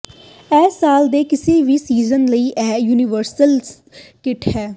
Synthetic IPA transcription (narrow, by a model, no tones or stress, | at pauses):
ɛːsːaːld̪eːkɪseːʋiːsiːzənləiːʔɛːjuːnɪʋəɾsəl | kɪʈhɛː